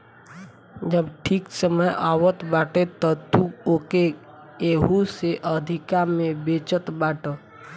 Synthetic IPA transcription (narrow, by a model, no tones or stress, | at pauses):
d͡ʒəbʈʰiːksəməjʔaːwət̪baːʈet̪ət̪uoke | eːɦuseʔəd̪ʱikamẽbeːt͡ʃət̪baːʈə